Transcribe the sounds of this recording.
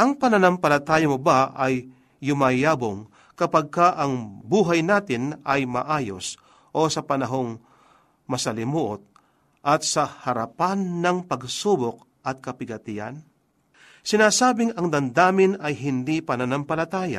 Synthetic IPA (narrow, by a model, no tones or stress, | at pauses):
ʔɐŋpɐnɐnɐmpɐlɐt̪aːjɐmobaʔɐjː | ʊmajaːboŋ | kɐpɐɡ̚kaʔɐŋbuːɦajnaːt̪ɪnɐjmɐ̰ʔaːjo̞̰s | ʔo̞sɐpɐnɐɦo̞ŋ | mɐsɐlɪmuːʔot̪̚ | ʔɐt̪̚sɐhɐɾɐpanːɐŋpɐɡsubok̚ | ʔɐt̪̚kɐpɪɡɐt̪ɪɐ̰n | sɪnaːsaːbɪŋɐŋd̪ɐnd̪aːmɪnɐjɦɪnd̪ipɐnɐnɐmpɐlɐt̪aːja̰